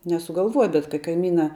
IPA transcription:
nʲɛsʊɡɐlˠˈʋuɔjɛ bʲɛt kɐ kɐɪˈmʲiːnɐ

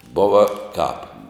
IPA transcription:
ˈboːʋɐ kɑːp

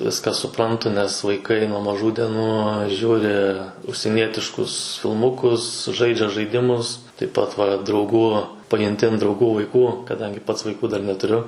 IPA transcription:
ˈʋʲɪskɑː sʊˈprɐntʊ nʲɛs ʋɐɪˈkɐɪ nuɔ mɐˈʒuː dʲɛˈnuː ˈʒʲuːrʲɪ ʊʃʲsʲiɛˈnʲiɛtʲɪʃkʊs fʲɪlˠˈmʊkʊs ˈʒɐɪd͡ʒʲɛ ʒɐɪˈdʲɪmʊs tɐɪp ˈpɐt ʋɐ drɐʊˈɡuː pɐjʊnʲˈtʲɪ ɐn drɐʊˈɡuː ʋɐɪˈkuː kɐˈdɐŋʲɡʲɪ ˈpɐts ʋɐɪˈkuː dɐr nʲɛtʊˈrʲʊ

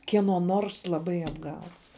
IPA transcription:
kʲiɛˈnoː ˈnoːrs lˠɐˈbɐɪ ɐbˈɡɐʊts

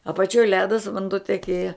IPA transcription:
ɐpɐˈt͡ʃʲoːj ˈlʲæːdɐs ʋɐnˈduɔ tʲɛˈkʲeːjɛ

